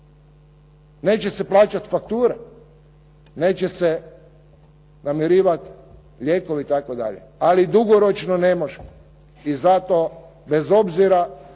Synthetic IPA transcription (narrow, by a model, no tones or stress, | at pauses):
ne̞ːt͡ɕese̞plaːt͡ʃat̪fak̚t̪uːɾe | neːt͡ɕese | namiɾiːʋat̪ | ʎe̞ːkoʋiit̪akod̪a̰ʎḛalid̪uɡoɾot͡ʃnone̞moʒe | izat̪o | be̞zo̞bziɾa